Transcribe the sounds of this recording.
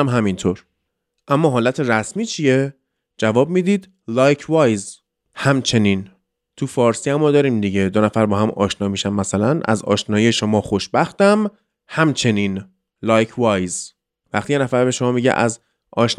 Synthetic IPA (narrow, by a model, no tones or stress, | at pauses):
mɦæmint̪ʰoɾ | ʔæmːɒːɦɒːlæt̪ʰe̞ɾæsmiːt͡ʃʰije | d͡ʒævɒːb̚miːd̪iːd̪ | lɒːjkʰvɒːjz | hæmt͡ʃʰe̞niːn | t̪ʰufɒːɾsiæmːɒːd̪ɒːɾiːmd̪iɟed̪onæfæɾbɒːhæmʔɒ̰ːʃnɒːmiːʃæmːæsælænʔæ̰zɒ̰ːʃnɒːjijeʃomɒːxoʃbæxt̪æm | hæmt͡ʃʰe̞niːn | lɒːjcʰvɒjz | væ̰xt̪ije̞næfæɾbe̞ʃomɒːmiɟḛʔæz | ʔɒ̰ːʃn